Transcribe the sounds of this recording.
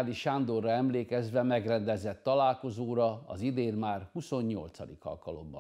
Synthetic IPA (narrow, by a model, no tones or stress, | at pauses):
liʃand̪orːɒɛmleːkɛzʋɛmɛɡrɛnd̪ɛzɛt̪ːɒlaːlko̞zoːɾɒɒzid̪eːnmaːrhuso̞ɲːo̞̰lt̪sɒ̰d̪ikɒ̰lkɒlo̞̰mbɒ̰